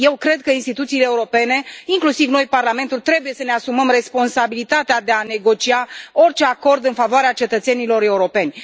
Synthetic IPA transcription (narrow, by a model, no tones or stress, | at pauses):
je̞wkɾe̞d̪̚kəinst̪it̪ut̪siːleːuɾo̞pe̞ne̞iŋklusivno̞jparlame̞nt̪ult̪ɾe̞buje̞səne̞asuməmre̞spo̞nsabilit̪at̪ead̪e̞ane̞ɡo̞t͡ʃiao̞rt͡ʃe̞ako̞rd̪ɨnfavoaɾeat͡ʃe̞t̪ət̪se̞nilo̞ɾe̞uɾo̞pe̞nʲ